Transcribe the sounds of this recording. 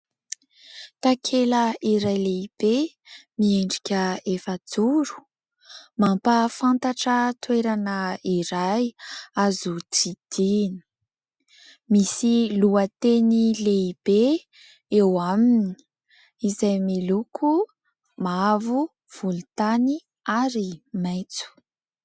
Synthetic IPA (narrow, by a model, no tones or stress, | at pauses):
t̪akʰeləiɾajleib̥e | mieɳɖ͡ʐikʲəefəd͡zuɾu̥ | mampafant̪aʈ͡ʂət̪weɾanəiɾajazudid̪̥ini̥ | misiluət̪enileib̥e | ewamini̥ | izajmilukʰu | mavu | v̥ulut̪ani | aɾimajt͡su̥